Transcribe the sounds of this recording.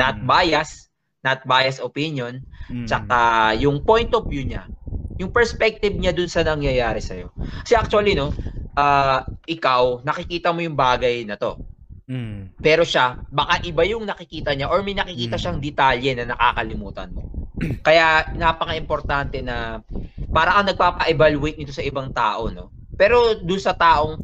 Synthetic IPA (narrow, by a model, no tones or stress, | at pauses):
nɐt̪̚baːjɐs | nɐt̪̚baːjɐsopinjo̞nt͡ʃɐkajʊŋpo̞jnt̪ʔovjuɲa̰jʊŋpɛɹspɛk̚t̪ɪb̚ɲad̪ʊnsɐnɐŋjɐjaːɾɛsɐjo̞kɐ̥sɛʔak̚t͡ʃʊɐlino̞ʔaːʔɪkawnɐkɪkiːt̪ɐmo̞jʊŋbaːɡɐjnɐt̪o̞ | pɛːɾo̞ʃabɐkaʔɪbajʊŋnɐkɪkiːt̪ɐɲaʔoɹmɐjnɐkɪkiːt̪ɐʃaŋd̪ɛt̪aljɛnɐnɐka̰ːkɐlɪmuːt̪ɐ̰nmo̞̰kɐjanapɐkɐʔɪmpoɾt̪ant̪ɛnɐ | paːɾɐkɐŋnɐɡ̚paːpɐʔɛbalʊʔejt̪̚nɪt̪o̞sɐʔɪbaŋt̪a̰ːʔo̞no̞̰ | pɛːɾo̞d̪ʊnsɐt̪aːʔo̞ŋ